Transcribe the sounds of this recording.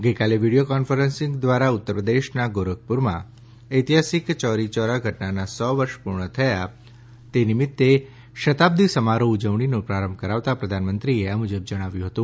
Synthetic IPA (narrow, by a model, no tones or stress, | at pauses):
ɡəjkaleʋiɽijokɔnfəɾənsɪ̃ŋɡd̪ʋaɾaut̪ːəɾpɾəd̪eʃnaɡoɾək̚puɾmã̰ | əjt̪iɦasikt͡ʃɔɾit͡ʃɔɾaɡʱəʈnanasɔʋəɾʃpuɾɳət̪ʰəja | t̪enimɪt̪ːe | ʃət̪ab̚d̪ʱisəmaɾoud͡ʒəʋɳinõpɾaɾəmbʱkəɾaʋt̪apɾəd̪ʱanmənt̪ɾieəmud͡ʒəb̚d͡ʒəɽ̃aʋjũɦət̪ũ